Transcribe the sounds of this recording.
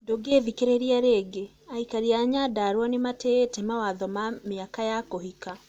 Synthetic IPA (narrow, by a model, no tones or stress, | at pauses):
doɡevikeɾeɾiaɾeɡe | aikaɾiaːɲadaɾwanemateːtɛmawaðɔmameakajakohika